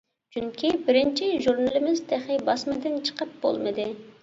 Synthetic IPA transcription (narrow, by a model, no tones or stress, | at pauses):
t͡ʃʰyŋkʲibɪɾɪnt͡ʃʰɪʒuɾnɨlˠɪmɪzt̪ʰæχɪbɑsmɨd̪ɪnt͡ʃʰə̥qəp̚b̥o̰lˠmɨd̪ɨ